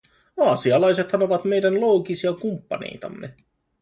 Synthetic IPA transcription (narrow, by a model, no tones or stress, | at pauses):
ɑːsiɑlɑjse̞t̪sɑno̞ʋɑt̪me̞jdænlo̞ːkisiɑkumpːɑ̰nḛjt̪ɑ̰mːe̞